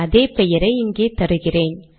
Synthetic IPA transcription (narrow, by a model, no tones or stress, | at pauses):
ɐðeːpɛjɐɾɐɪɪŋɡeːt̪ɐɾɯɣɪreːn